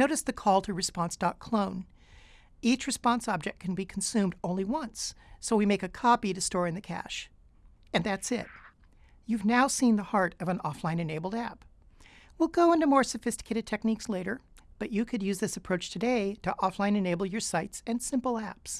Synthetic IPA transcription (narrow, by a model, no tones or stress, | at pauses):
noʊɾɨsðɨkʰɔlˠtʰɨɹɨspɑ̃nsd̥ɑt̚kʰl̥õʊ̃n | it͡ʃɹɨspɑ̃nsɑb̚d͡ʒɨk̚kʰn̩bikʰn̩sʉ̃mdõʊ̃nliwʌ̃nsːoʊwimeɪkɨkʰɑpiɾɨstɔɹɨ̃nðɨkʰæ̰ʃ | ɨ̃nðætsɪ̰t̚ | jʉvnaʊsĩnðəhɑɹɾʌvə̃nɔ̰flãɪ̃nɨneɪbl̩ˠdæp | wilˠɡoʊɪ̃ntʉmɔɹsɨfɪstɨkʰeɪɾɨd̚tʰɛk̚niksleɪɾə˞b̥ʌt͡ʃɨkʰɨdjʉzðɪsɨpʰɹ̥oʊt͡ʃtʰɨdeɪɾɨʔɔflãɪ̃nɨneɪbl̩ˠjə˞saɪtsɨ̃nsɪ̃mpl̩ˠæps